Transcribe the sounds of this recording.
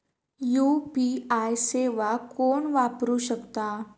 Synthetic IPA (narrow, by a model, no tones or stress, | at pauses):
juːpiajseʋakoːɳʋapɾuɕəkt̪a